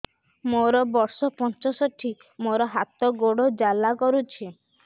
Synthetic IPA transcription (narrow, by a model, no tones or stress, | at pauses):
moɾɔbɔɾsɔpɔnt͡ʃɔsɔʈʰi | moɾɔɦat̪ɔɡoɽod͡ʒalakɔɾut͡ʃʰi